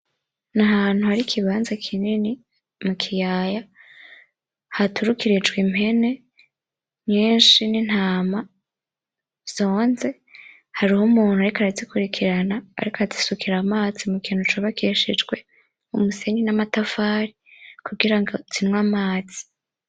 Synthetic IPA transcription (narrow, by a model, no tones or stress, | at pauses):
naɦaːn̥huhaɾikʰiβaːnzakʰinini | mukʰijaːja | hatuɾukiɾid͡ʒɡwimhe̞ne̞ | ɲiːnʃinin̥haːma | z̥o̞ːnze̞ | haɾihomuːnuaɾikaɾazikuɾikʰiɾana̰ːɾikaazisukʰiɾamaːzimukʰiːnhut͡ʃoβakiʃid͡ʒɡwe̞ | umuse̞ɲinamatafaːɾikuɡiɾaŋɡot͡sinŋwamaːz̥i̥